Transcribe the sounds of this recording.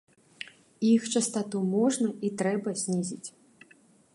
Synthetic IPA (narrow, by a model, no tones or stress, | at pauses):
ixt͡ʂɐst̪at̪umɔʐnɐit̪ɾɛbɐzʲnʲizʲit͡sʲ